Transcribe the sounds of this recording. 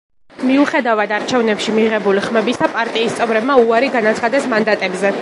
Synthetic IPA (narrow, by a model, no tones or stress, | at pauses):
miuχɛd̪avad̪aɾt͡ʃʰɛvnɛpʃimiʁɛbuliχmɛbisapʼaɾt̪ʼiːst̪sʼɛvɾɛbmauaɾiɡanat̪sʰχad̪ɛsmand̪at̪ʼɛbzɛ